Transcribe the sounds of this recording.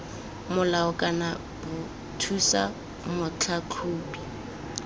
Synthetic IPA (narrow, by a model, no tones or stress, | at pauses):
mʊlaʊkʼana | bʊ | tʰusa̰ | mʊt͡ɬʰakʰuːbi